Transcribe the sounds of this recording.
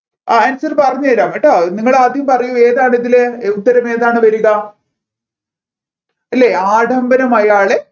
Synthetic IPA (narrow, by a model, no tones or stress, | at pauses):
aɐnsɐɾpɐrɐɲːɐɐɾaːmeʈːaniŋːɐɭaːd̪ʱjɐjumpɐrɐjue̞ːðaːɳeðileut̪ːɐɾɐme̞ːðaːɳɨʋɐɾuɣɐ | ɐlːeaːɖʱɐmbɐnɐmɐjaːɭe